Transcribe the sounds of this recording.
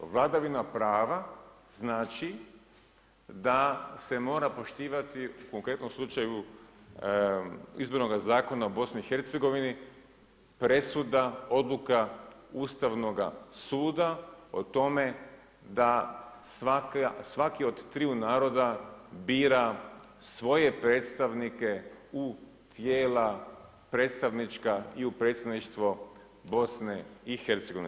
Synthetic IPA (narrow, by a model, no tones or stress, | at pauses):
ʋlˠad̪aʋinapɾaːʋa | znaːt͡ʃi | d̪ase̞mo̞ːɾapo̞ʃt̪iːʋat̪iuko̞ŋkɾe̞t̪no̞mslˠut͡ʃaju | ḭzbo̞ɾno̞ɡazaːko̞naubo̞sniixe̞ɾt̪se̞ɡo̞ʋini | pɾe̞sud̪ao̞d̪lˠukauːst̪aʋno̞ɡa̰suːd̪ao̰t̪o̞me̞ | d̪asakasʋakiod̪t̪ɾiunaːɾo̞d̪abiːɾa | sʋo̞je̞pɾe̞ːt̪st̪aʋnike̞u | t̪jeːla | pɾe̞ːt̪st̪aʋnit͡ʃkaiupɾe̞t̪st̪ed̪niʃt̪ʋo | bo̞sneixe̞ɾt̪seɡo̞ʋin